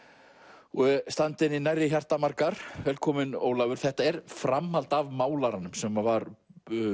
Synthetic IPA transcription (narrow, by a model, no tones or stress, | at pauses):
ɛst̪ant̪ɪninajrɪçjar̥t̪amaɾkaɾ̥vɛːlkʰɔːmɪno̰ːwlaːvʏɾ̥θɛht̪aɛɾ̥fɾamhalt̪avmaːwlaɾanːʏmsɛmvaɾ